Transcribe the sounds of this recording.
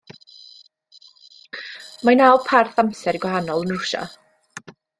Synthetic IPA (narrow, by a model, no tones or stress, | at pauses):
majnawlˠpʰarθamsɛɾiɡwaɦanɔlˠənrʊʃa̰